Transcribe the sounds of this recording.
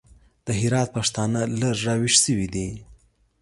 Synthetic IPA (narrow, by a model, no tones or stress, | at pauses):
d̪̥əɦɪɾɑt̪̚paʂt̪ɑnalaɾːɑwiʃsəwid̪i